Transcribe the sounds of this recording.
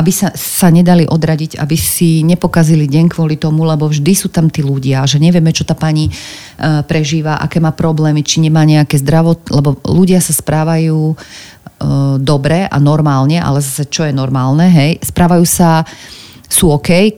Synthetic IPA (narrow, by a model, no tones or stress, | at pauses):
ʔabisasaɲɛd̪aliʔɔd̪ɾaɟiɟa̰bisiɲɛpɔkaziliɟɛɲkʋʊɔlit̪ɔmulɛbɔvʒd̪isuːt̪amt̪iːluɟɪaʒɛɲɛʋɪjɛmɛt͡ʃɔt̪aːpaɲi | pɾɛʒiːʋaʔa̰kɛːmaːpɾɔblɛːmit͡ʃiɲɛmaːɲɛakɛːzd̪ɾaʋɔt̪lɛbɔluɟɪasaspɾaːʋajuː | d̪ɔbɾɛʔa̰nɔɾmaːlɲɛʔa̰lɛzasɛt͡ʃɔjɛnɔɾmaːlnɛɦɛjspɾaːʋajuːsa | suːɔkɛj